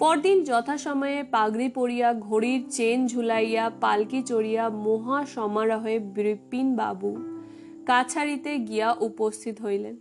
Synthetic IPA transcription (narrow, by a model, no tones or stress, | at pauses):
pɔɾd̪ind͡ʑɔt̪ʰaʃɔmɔjepaɡɾipoɽijaɡʱoɽiɾt͡ɕend͡ʑʱulajapalkit͡ɕoɽijamoɦaʃɔmaɾɔɦebɾipːinba̰bu | kat͡ɕʰaɾit̪eɡijaʔupost̪ʰit̪oɦojlen